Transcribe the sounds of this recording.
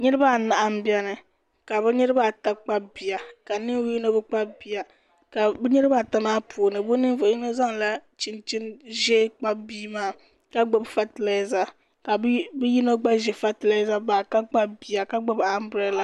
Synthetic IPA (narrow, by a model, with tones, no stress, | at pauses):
ɲɛ˦ɾɨ˦ba˦˨na˨ʔa˦mbi˦ɛ˦nɨ˨ | ka˨bɛ˦ɲɛ˦ɾɨ˦ba˦˨ta˦k͡pa˦bi˨a˨ka˨nɨ˦ŋ˦wu˦ji˦no˦bɛ˦k͡pa˦bi˨a˨ | ka˨bɛ˦ɲɛ˦ɾɨ˦ba˦˨ta˦maː˦pʰu˨nɨ˨bo˦nɨ˦vi˦no˦za˦ŋla˦t͡ʃi˨nt͡ʃi˦nʒɛ˦k͡pa˦biː˦maː˦˨ | ka˦ɡ͡bo˨bfa˨ti˨la˨˦˨za˦ | ka˨bbɛ˦ji˦no˦ɡ͡ba˦ʒɛ˨fa˦ti˨la˨˦za˦baː˨ka˦k͡pa˦bi˨a˨ka˦ɡ͡bo˦ba˦m˦bɾɛ˦la˨